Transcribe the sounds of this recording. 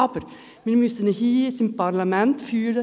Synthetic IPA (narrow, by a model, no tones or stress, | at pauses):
ɑpəɾ | mɪnmysənəhiːɪsɪnpɑɾlɑmɛnt̪fyːɾə